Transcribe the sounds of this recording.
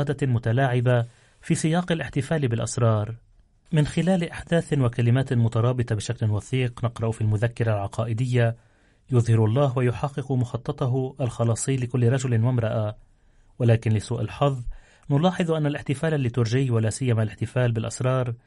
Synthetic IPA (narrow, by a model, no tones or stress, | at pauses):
ɑːd̪amʊt̪alaːʕɪba | fiːsɪjɑːqɪlʔɪħt̪ɪfaːlbɪlʔɑ̰sɾˤɑːɾˤ | mɪnxɪlaːlʔaħd̪aːθɪnwakalɪmaːt̪mʊt̪ɑɾˤɑːbɪt̪ˤɑbɪʃaklɪnwɑθiːqnɪqɾˤɑʔʊfiːlmʊðakːɪɾˤalʕɑqʰɑːʔɪd̪ɪjːa | jʊðhɪɾɑlˤːɑːɦwajʊħɑqːɪqmʊxɑt̪ˤːɑt̪ˤɑɦʊʔalxɑlɑːsˤiːlɪkʊlːɪɾˤɑʒʊlɪnwamɾˤɑʔa | walaːkɪnlɪsuːʔalħɑðˤː | nʊlɑːħɨðˤʔanːalʔɪħt̪ɪfaːlalːit̪ʊɾˤʒɪjwalaːsɪjːamalɪħt̪ɪfaːlbɪlʔɑsɾˤɑːɾˤ